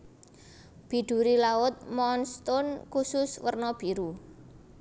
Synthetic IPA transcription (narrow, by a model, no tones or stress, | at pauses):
b̥i̤ɖ̪̥ṳɾilaʊt̪̚mɔnst̪ɔnkusʊswərnɔb̥i̤ɾu